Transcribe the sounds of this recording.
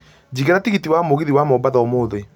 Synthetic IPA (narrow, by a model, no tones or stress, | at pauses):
d͡ʑiɣeɾatiɣitiwamoɣiðiwamɔmbaðɔmoːðe